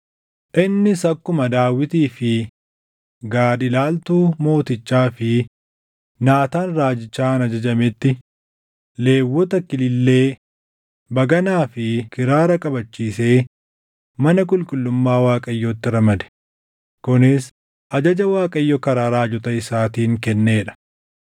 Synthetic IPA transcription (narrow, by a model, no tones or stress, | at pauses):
ʔɪnːɪsɐkːʊmɐd̪aːwɪt̪iːfɪ | ɡaːd̪ɪlaːlt̪uːmo̞ːt̪ɪt͡ʃːaːfɪ | naːt̪aːnraːd͡ʒɪt͡ʃːaːnɐd͡ʒɐd͡ʒɐmɪt̪ːɪ | le̞ːwːɔt̪ɐkɪlɪlːe̞ː | bɐɡɐnaːfɪkɪɾaːɾɐkʼɐbɐt͡ʃːiːse̞ː | mɐnɐk̬ʼʊlkʼʊlːʊmːaːwaːkʼɐjːoːt̪ːɪɾɐmɐd̪ɛ̥ | kʊnɪs | ʔɐd͡ʒɐd͡ʒɐwaːkʼɐjːɔkɐɾaːɾaːd͡ʒɔt̪ɐɪsaːt̪iːŋkɛnːeːᶑɐ̥